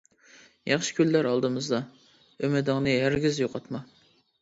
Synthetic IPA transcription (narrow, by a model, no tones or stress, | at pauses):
jɑχʃɪ̥kʲylːæɾɑlˠd̪ɨmɨzd̪ɑ | ømɪd̪ɪŋnɨɦæɾɡʲizjoqʰɑt̪mɑ